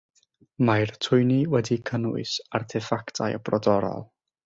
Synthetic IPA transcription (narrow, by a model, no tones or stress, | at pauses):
majrtʰʊɨniwɛdikʰənʊ̰ɨsarθʰɛfaktʰajəbrɔdɔɾɔ̰lˠ